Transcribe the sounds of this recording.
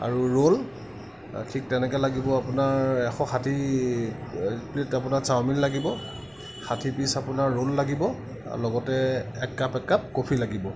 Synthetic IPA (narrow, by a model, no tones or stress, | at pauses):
a̰ɹuɹol | tʰik̚tɛnɛkɛlaɡibɔapʊnaɹɛxɔxʰatʰi | plitapʊnaɹsawminlaɡibɔ | xʰatʰipisapʊnaɹːolːaɡibɔ̰ | lɔɡɔtɛɛkːapɛkːap̚kopʰilaɡibɔ